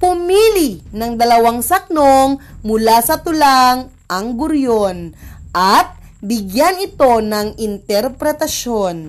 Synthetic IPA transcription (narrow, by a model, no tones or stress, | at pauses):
pʊmilinɐŋd̪ɐlɐwaŋsɐk̚noŋmʊlasɐt̪ʊlaŋ | ʔɐŋɡʊɾjonʔɐt̪̚ | bɪɡjanɪt̪o̞nɐŋɪnt̪ɛɾpɾɛt̪ɐʃo̞n